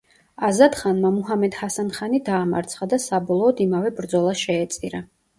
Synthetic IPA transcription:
azad̪χanmamuɦamɛd̪hasanχanid̪aːma̰ɾt̪sʰχad̪asabɔlˠɔːd̪imavɛbɾd̪zɔlˠaʃɛːt̪sʼiɾa

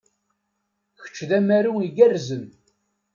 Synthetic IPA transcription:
çə̥t͡ʃːðæmæɾuiɡærzən

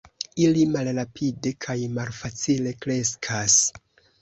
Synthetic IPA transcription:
ilimalɾapʰide̞kʰajmalfat͡sile̞kɾe̞skʰas

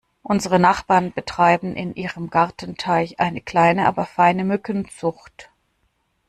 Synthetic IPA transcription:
ʔʊnzəʁənaχb̥aːɐnbətʁ̥aɪbm̩ʔɪnʔiːʁəmɡaʁtn̩tʰaɪçʔaɪnəkl̥aɪnəʔa̰ːbɐfaɪnəmʏkənt͡sʊxt

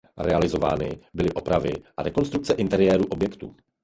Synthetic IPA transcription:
ɾɛalɪzo̞va̰ːnɪbɪlɪʔopɾavɪʔaɾɛko̞nst̪ɾuk̚t͡sɛʔɪnt̪ɛɾɪjɛːɾuːʔo̞bjɛkt̪ṵː

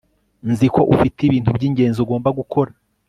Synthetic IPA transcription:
nziko̞ʔufitiβiːntubɟiːɲɟe̞ːnzuɡo̞ːmbaɡukʰo̞ɾa

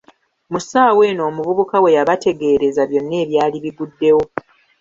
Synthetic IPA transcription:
musaːwe̞ːno̞ːmuβuβukawe̞jaβate̞ɡe̞ːɾe̞zaβjo̞nːe̞ːβjaːliβiɡudːe̞wo̞

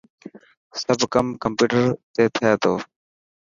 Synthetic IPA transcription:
səbʱkəmkəmpuːʈəɾt̪eːt̪ʰɪeːt̪oː

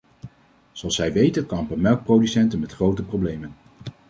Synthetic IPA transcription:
zoɑlˠsɛjʋejtənkɑnmpəmɛlˠk̚prowdysɛntənmɛtχrowtəprowblejmən

